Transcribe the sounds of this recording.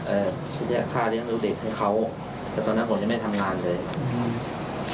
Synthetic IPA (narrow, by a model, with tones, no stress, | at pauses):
ʔɤː˨˩ | t͡ɕʰa˦˥˩jɛ˦˥˩kʰaː˥˩ɾɯ˥˩əŋluː˦˥˩deː˨˩t̪̚ha˥˩jkʰa˦˥w | t̪ɛː˨˩t̪ɔː˧nːa˦˥pʰo˩˦t͡ɕma˥˩jt̪ʰa˧mŋaː˧nlɤː˧j